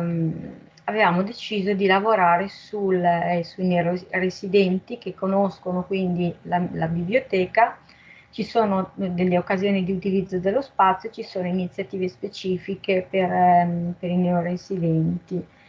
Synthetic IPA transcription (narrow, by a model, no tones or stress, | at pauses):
avevaːmod̪et͡ʃiːzod̪ilavoɾaːɾesulsuinɛorezid̪ɛnt̪ik̟ekːonoskonokwind̪ilalabiblijot̪ɛːka | t͡ʃisoːnod̪elːeokːazjoːnid̪iut̪ilid̪zːod̪elːospat̪sjot͡ʃisoːnoinit̪sːjat̪iːvespet͡ʃiːfikeperpeɾinɛːoɾezid̪ɛnt̪i